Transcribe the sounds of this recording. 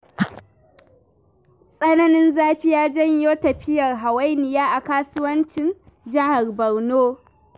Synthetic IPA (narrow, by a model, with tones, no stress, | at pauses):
sʼɐ˦nɐ˦nɪ˦nzaː˦ɸɪ˦jaː˦d͡ʒɐ˦ɲjoː˦tɐ˨ɸɪ˦jɐ˨rɦa˨wɐ˦jnɪ˨jaː˦ʔa˨kaː˦sʊ˦wɐ˦nt͡ʃɪ˨n | d͡ʒɐ˦ha˨rbɐ˨rnoː˦